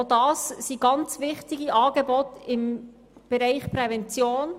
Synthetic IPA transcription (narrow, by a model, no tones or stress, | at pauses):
dɑːssiɡ̥ɑnt͡sʋɪχtɪɡiʔɑːɡebɔtɪm | b̥ɛɾɛɪχpɾɛvɛnt͡sjoːn